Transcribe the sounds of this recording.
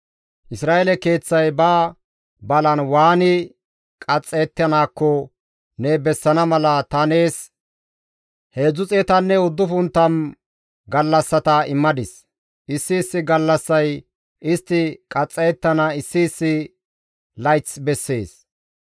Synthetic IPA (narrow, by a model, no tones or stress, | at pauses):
ʔɪsɾaːʔɛlɛke̞ːt͡sːɐjbaː | bɐlɐnwaːnɪ | kʼɐt͡sʼːeːt̪ːɐnaːkːɔ | nebɛsːɐnɐmɐlɐt̪ɐne̞ːs | he̞ːd͡zʊt͡sʼeːt̪ɐnːɛʊd̪ːʊfʊnt̪ːɐn | ɡɐlːɐsːɐt̪ɐɪmːɐd̪ɪs | ʔɪsːɪːsːɪɡɐlːɐsːɐj | ɪst̪ːɪkʼɐt͡sʼːet̪ːɐnaɪsːɪːsːɪ | lɐjt͡sbɛsːe̞ːs